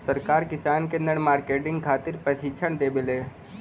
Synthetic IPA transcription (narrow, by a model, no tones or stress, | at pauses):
sɐɾkaːɾkɪsaːnkenəɽ̃maːɾkeːʈɪ̃ŋɡkʰaːt̪ɪɾpɾɐʃɪt͡ʃʰəɽ̃d̪eːbɪleː